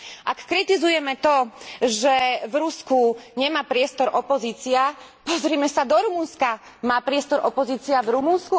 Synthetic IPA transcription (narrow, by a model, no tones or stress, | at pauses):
ʔakːɾit̪izujɛmɛt̪ɔʒɛvɾuskuɲɛmaːpɾɪɛst̪ɔɾʔɔpɔziːt͡siapɔzɾiːmɛsad̪ɔɾumunska | maːpɾɪɛst̪ɔɾɔpɔziːt͡siavɾumunsku